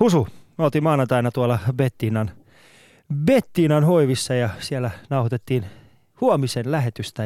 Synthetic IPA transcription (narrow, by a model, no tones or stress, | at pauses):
husuolt̪imɑːnɑt̪ɑinɑt̪uolːɑbet̪ːiːnɑn | bet̪ːiːnɑnhoiʋisːɑjɑsielænɑuhot̪et̪ːiːn | huomisenlæɦet̪yst̪æ